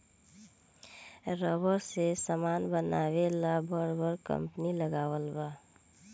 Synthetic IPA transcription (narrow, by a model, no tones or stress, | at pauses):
ɾəbəɾsesəmaːnbənaːwelabəɾbəɾkə̰mpniləɡaːwəlba